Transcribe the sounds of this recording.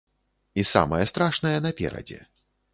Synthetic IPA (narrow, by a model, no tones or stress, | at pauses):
isa̰mɐjɐst̪ɾaʂnɐjɛnɐpʲɛ̰ɾɐ̰d͡zʲɛ̰